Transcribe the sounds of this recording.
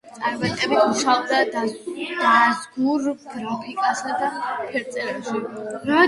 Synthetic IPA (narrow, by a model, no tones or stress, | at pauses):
t̪sʼaɾbɛt̪ʼɛbiuʃabd̪ad̪ad̪̥azɡuɾɡ̥ɾapʰikʼasad̪apʰɛɾt̪sʼɛɾɛʃiɾa